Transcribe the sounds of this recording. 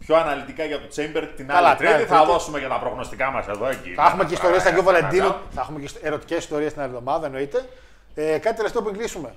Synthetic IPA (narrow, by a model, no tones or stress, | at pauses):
pço̞ɐnɐlit̪ikɐʝɐt̪ot͡sembeɾt̪inɐɐlɐt̪ɾit̪iθɐðo̞sumeʝɐt̪ɐpɾoɣno̞st̪ikɐmɐseðo̞ecḭθɐɐxumeceist̪o̞ɾiesɐkiovolend̪inuθɐɐxumeceseɾo̞t̪i̥ce̞si̥st̪o̞ɾiest̪nɐlðo̞mɐðɐðɐeno̞it̪e̞ | ekɐt̪it̪eleft̪eopuiŋɡlisume̞